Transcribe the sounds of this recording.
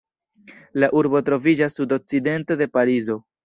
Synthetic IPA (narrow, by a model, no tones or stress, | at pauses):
laʔuɾbo̞tɾo̞vid͡ʒasːudo̞k̚t͡side̞nte̞de̞paɾizo̞